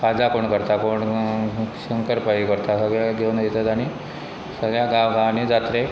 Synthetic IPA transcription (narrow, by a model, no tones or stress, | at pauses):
kʰad͡zakoɳkəɾt̪akoɳ | ɕəŋkəɾpaikəɾt̪asəɡɭjaɡeunajet̪at̪aɽ̃i | səɡɭjaɡaʋɡãʋñid͡zat̪ɾe